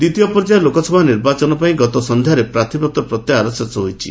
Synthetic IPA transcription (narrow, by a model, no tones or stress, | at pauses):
d̪it̪ijɔpɔɾd͡ʒajɔlokɔsʰɔbʱaniɾbat͡ʃɔnɔpaĩɡɔt̪ɔsɔnd̪ʱjaɾepɾat̪ʰibɔk̚t̪ɔpɾɔt̪jaaɾɔsesɔɦojt͡ʃʰi